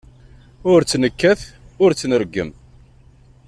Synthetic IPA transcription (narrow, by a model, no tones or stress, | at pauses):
ʊɾt͡sːnəkːæθ | ʊɾt͡sːnəɾɡːə̰m